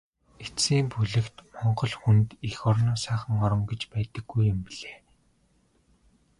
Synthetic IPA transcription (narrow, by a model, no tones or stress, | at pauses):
esiːmpuɮɘ̆kt̪mɔɴɢɞ̆ɮxunt̪ixɔrnɔːsæːχə̆ŋɔɾɞ̆ŋɡet͡ɕpæːt̪ə̆ɡːujʊmpiɮeː